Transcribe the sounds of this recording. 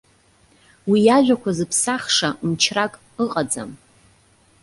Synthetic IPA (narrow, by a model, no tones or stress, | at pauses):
wijaʒʷᶣakʷʰazɨpʰsaχʂaʔumt͡ʃʰrakʼ | ɨqʼad͡za̰m